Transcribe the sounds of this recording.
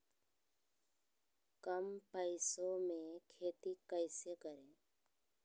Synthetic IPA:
kəmpəɪsõmẽkʰeːt̪ikəɪsekəɾẽː

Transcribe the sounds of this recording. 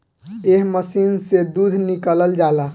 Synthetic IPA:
eɦməsinsed̪ud̪ʱnikələld͡ʒala

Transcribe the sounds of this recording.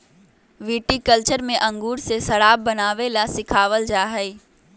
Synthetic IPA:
ʋiːʈikəlt͡ʃəɾmẽʔɐ̃ŋɡuːɽsesɐɽaːbːɐnaːʋelasɪkʰaːʋəld͡ʒaːɦɛi

